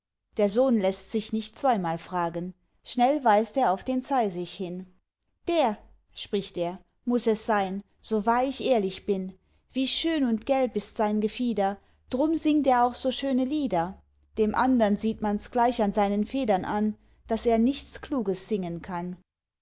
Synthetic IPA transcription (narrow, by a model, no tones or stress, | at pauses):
d̥eːɐzoːnlɛstz̥ɪçnɪçtt͡sv̥aɪmaːlfʁ̥aːɡən | ʃnɛlvaɪsteːɐaʊfd̥eːnt͡saɪzɪçhɪn | d̥eːɐ | ʃpʁ̥ɪçteːɐ | mʊsɛsz̥aɪn | z̥ovaːɪçʔeːɐlɪçb̥ɪn | v̥iːʃøːnʊntɡ̥ɛlpɪstz̥aɪnɡəfiːdɐ | d̥ʁʊmzɪŋteːɐaʊxz̥oːʃøːnəliːdɐ | d̥eːmʔandɐnziːtmansɡ̥laɪçanzaɪnənfeːdɐnʔan | d̥aseːɐnɪçt͡skl̥uːɡəsz̥ɪŋənkʰan